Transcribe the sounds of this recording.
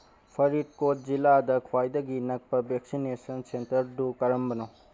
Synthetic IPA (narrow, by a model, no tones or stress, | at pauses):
pʰɐɾit̚kot̚ziladɐkʰwajdɐɡinɐk̚pɐbeksinesɐnsentɐɾdukɐɾɐmbɐno